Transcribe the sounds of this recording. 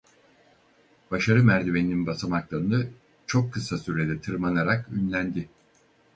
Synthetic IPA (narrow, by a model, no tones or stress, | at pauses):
b̥aʃaɾɯmæɾd̪evenʲininbasamaklˠaɾɯnɯ | t͡ʃʰo̞kʰːɯsasyɾe̞d̪ɛt̪ʰɯɾmanaɾakynlʲænd̪ɪ